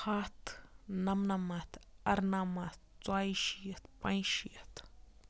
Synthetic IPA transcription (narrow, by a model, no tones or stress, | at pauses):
hat̪namnamat̪aɾnamat̪ | t͡swajʃiət̪pãjʃiət̪